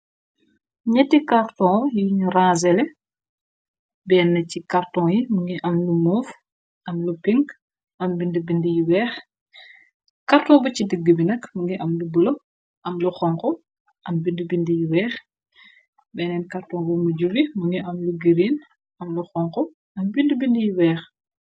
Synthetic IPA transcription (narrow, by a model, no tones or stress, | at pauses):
ɲɛtikaɾtɔ̃ːjiɲrãːzɛlɛ | bɛːnːɐcikartɔ̃ːjimuŋɡiʔɐmlumɔːf | ʔɐmlupiŋɡ | ʔɐmbindəbindəjiwɛːx | kartɔ̃ːbɐcidəɡːəbinɐkmuŋɡiʔɐmlubəlo | ʔɐmluxɔŋkɔ | ʔɐmbindəbindəjiwɛːx | bɛːnɛnkartɔ̃ːbɐmuɟuɾimuŋɡiʔɐmluɡəɾiːn | ʔɐmluxɔŋkɔ | ʔɐmbindəbindəjiwɛːx